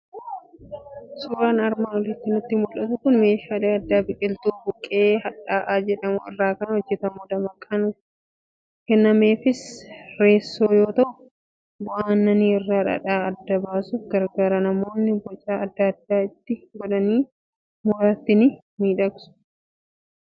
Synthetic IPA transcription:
suːɾaːnɐɾmaːnɔlɪt̪ːɪnʊt̪ːɪmʊlʔɐt̪ʊkʊnme̞ːʃaːleːɐd̪ːaːbɪkʼɪlt̪uːbʊkʼːe̞ːhɐᶑaːʔaːd͡ʒɛᶑɐmʊ̰ɪ̰rːaːkɐnɐhɔd͡ʒːɛt̪ɐmʊd̪ɐmɐkʼːɐn | kɛnːɐme̞ːfɪsɾe̞ːsːo̞ːjo̞ːt̪ɐʔʊ | bʊʔaːnːɐniːɪrːaːᶑɐ̰ᶑaːɐd̪ːɐbaːsufɡɐɾɡaːɾɐnɐmo̞ːnːɪbɔt͡ʃʼaːɐd̪ːɐd̪ːaːɪt̪ːɪɡɔᶑɐniː | mʊɾaːt̪ːɪnɪ | miːᶑɐksʊ̥

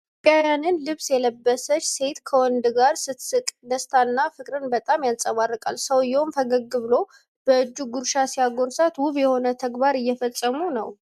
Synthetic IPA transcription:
pʼjajanɨnlɨβsjɛləbːəsət͡ʃːse̞t̪kʰəwɔnd̪ɨɡaɾsɨt̪sɨkʼd̪əst̪ʰanːafɨkʼɾɨnbət̪ʼamjansʼəβarːɨkʼalsəwjɛomfəɡəɡːɨβlo̞ | b̥əɨd͡ʒːuɡuɾʃasijaɡonsat̪wʊβjɛho̞nət̪ʰəɡbaɾɨjːɛfəsʼːəmunəw

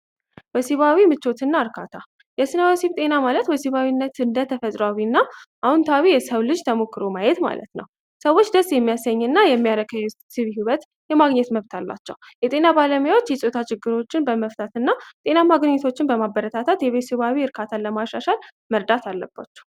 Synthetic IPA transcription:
wɛsiβawimɨt͡ʃːo̞t̪ʰɨnːaɨɾkʰat̪ʰa | jɛsɨnəwəsiβt̪ʼe̞namalət̪wɔsiβawinːət̪ɨnd̪ət̪ʰəfət̪ʼɾawinːaʔahunt̪ʰawijɛsəwlɨd͡ʒt̪ʰəmokːɨɾo̞majɛt̪ma̰lə̰t̪nə̰w | səwo̞t͡ʃːd̪əsjɛmːijasəɲːɨnːajɛmːijaɾəkʰajɛ | sɨβɦiwət̪ | jɛmaɡɲɛt̪məβt̪ʰalːa̰t͡ʃːɛ̰w | jɛt̪ʼe̞nabaləmujawo̞t͡ʃːjɛsʼot̪ʰat͡ʃɪɡːɨɾo̞t͡ʃːɪnbəməft̪ʰat̪ɨnːat̪ʼe̞namaɡnɲɛt̪ʰo̞t͡ʃːɪnbəmabːəɾət̪ʰat̪ʰat̪jɛβesiβawiɨɾkʰat̪ʰaləmaʃaʃal | məɾd̪at̪ʰalːəbːa̰t͡ʃːɛ̥

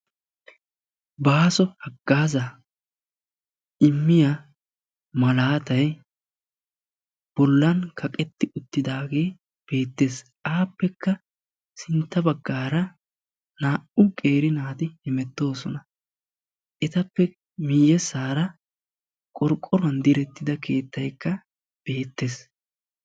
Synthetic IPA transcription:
baːsɔhɐɡːaːzɐ | ɪmːɪja | mɐlaːt̪ɐj | b̥ɔlːɐnkʰɐkʼɛt̪ːɪʊt̪ːɪd̪aːɡe̞ː | b̥e̞ːt̪ːe̞ːs | aːpːɛkːɐ | sɪnt̪ːɐbɐɡːaːɾɐ | naːʔʊkʼe̞ːɾɪnaːt̪ɪhɪmɛt̪ːo̞ːsɔnɐ | ʔɛt̪ɐpːɛ | mijɛsaːɾɐ | kʼɔɾkʼːɔɾʊɐnd̪ɪɾɛt̪ːɪd̪ɐkʰe̞ːt̪ːɐjkːɐ | b̥e̞ːt̪ːe̞ːs

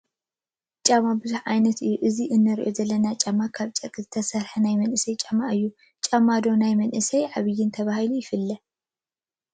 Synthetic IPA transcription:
t͡ʃʼamabɨzuħʕajnɐt̪ɨjːuʔɨziʔɨnːɐɾʔo̞̰zɐlːɐnat͡ʃʼamːakʰaβt͡ʃʼɐkʼzɨt̪ʰɐsɐɾħɐnajmɐnʔɨsɐjt͡ʃʼamaʔɨjːu | t͡ʃʼamːad̪o̞najmɐnʔɨsɐjʕaβɨjːɪnt̪ʰɐβahilujɪfɨlːɐ

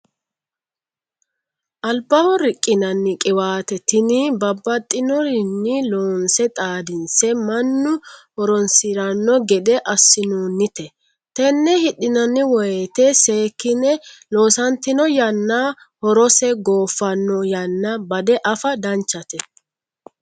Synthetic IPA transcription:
ʔɐlbɐwɔɾɪkʼːɪnɐnːɪkʼɪwaːt̪ɛt̪ɪnɪbɐbːɐt̪ʼːɪnɔɾɪnːɪloːnsɛt̪ʼaːd̪ɪnsɛmɐnːʊhɔɾɔnsɪɾɐnːɔɡɛd̪ɛʔɐsːɪnuːnːɪt̪ɛ | t̪ɛnːɛhɪɗɪnɐnːɪwɔjet̪ɛse̞ːkːɪnɛlo̞ːsɐnt̪ːɪnɔjɐnːa | hɔɾɔsɛɡoːfːɐnːɔjɐnːɐbɐd̪ɛʔɐfɐd̪ɐnt͡ʃːɐt̪ɛ

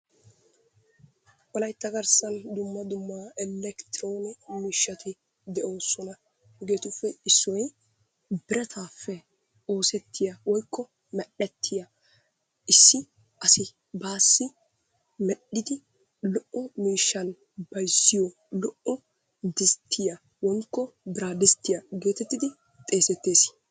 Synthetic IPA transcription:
ʔɔlɐjt̪ːɐɡɐɾsɐnd̪ʊmːɐd̪ʊmːaːʔɛlɛkt̪ɪɾoːnɪmiːʃːɐt̪ɪ | d̪ɛʔo̞ːsɔnɐ | ɡe̞ːt̪ʊfːɛɪsːɔj | bɪɾɛt̪ʰaːfːɛ | o̞ːsɛt̪ʰːɪjɐwɔjkʰːɔ | mɛɗːɛt̪ʰːɪjɐ | ɪsːɪ | ʔɐsɪ | baːsːɪ | mɛɗːɪd̪ɪ | lɔʔʔɔmiːʃːɐn | bɐjsːɪjɔ | lɔʔɔ | d̪ɪst̪ʰːɪjɐ | wɔjkːɔbɪɾaːd̪ɪst̪ːɪjɐɡe̞ːt̪ɛt̪ːɪd̪ɪ | t̪ʼe̞ːsɛt̪ːeːs

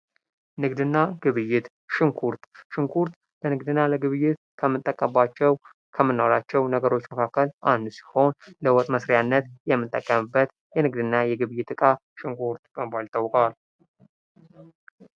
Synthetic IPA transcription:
nɨɡd̪ɨnːaɡ̥ɨβɨjːɪt̪ | ʃɪŋkʰuɾt̪ʃɨŋkʰuɾt̪ | lənɨɡd̪ɨnːaləɡɨβɨjːɪt̪ | kʰəmːɨt̪ʼːəkʼːəbat͡ʃːɛw | kʰəmːɨnːoɾat͡ʃːɛwnəɡəɾo̞t͡ʃːməkʰakːəlʔand̪usi̥ho̞nləwɔt̪ʼməsɾjanːət̪jɛmːɨt̪ʼːəkʼːəmɨbːət̪ | jɛnɨɡd̪ɨnːajɛɡɨβɨjːɪt̪ɨkʼaʃɪŋkʰuɾt̪kʼəbalt̪ʰːawːkʼal

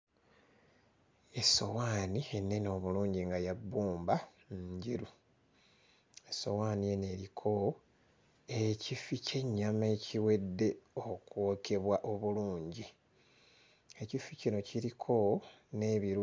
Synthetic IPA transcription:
eso̞waːnienːe̞nio̞βuluːɲɟiŋɡajabːuːmba | nɲɟiɾu | eso̞̰waːnije̞ne̞ɾikʰo̞ | ecifice̞ɲːame̞ːcʰiwe̞dːe̞okwo̞ːke̞βwaʔo̞βuluːɲɟi | e̞cificino̞ciɾikʰo̞ | ne̞βiɾ

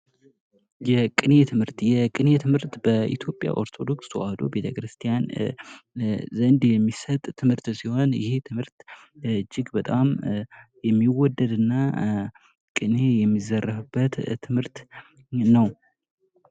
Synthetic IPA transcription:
jɛkʼɨne̞t̪ʰɨmhɨɾt̪jɛkʼɨne̞t̪ʰɨmhɨɾt̪b̥əʔḭt̪ʰjo̞pʼja̰ʔo̞ɾt̪ʰo̞d̪o̞kswʔad̪o̞̰be̞t̪ʰəkɾɨst̪ʰijan | zənd̪jɛmːisət̪ʼt̪ʰːɨmhɨɾt̪siho̞njɪ̰he̞t̪ʰɨmhɨɾt̪ | ɨd͡ʒːɪɡbət̪ʼamjɛmːiwɔd̪ːəd̪ɨnːa | kʼɨne̞jɛmːizərːəfɨbːət̪ʰːɨmhɨɾt̪ | nəw

